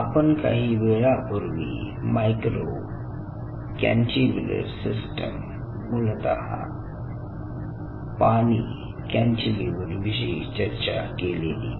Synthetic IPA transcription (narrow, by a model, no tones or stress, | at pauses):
apənka̰ɦiːʋeɭapuɾʋḭː | majkɾo | kɛ̰nʈiʋlə̰ɾsisʈə̰mː | ult̪a̰ɦa̰ | paɽ̃iː | kãnt͡ɕileʋəɾʋiɕ̬it͡ɕəɾt͡ɕakelelḭː